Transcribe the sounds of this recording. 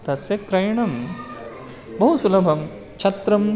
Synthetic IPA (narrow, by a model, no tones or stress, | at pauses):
t̪ɐsjɐk̚t̪ɾɐjɳɐm | bɐɦusulɐbʱɐm | t͡ʃʰɐt̪ɾɐm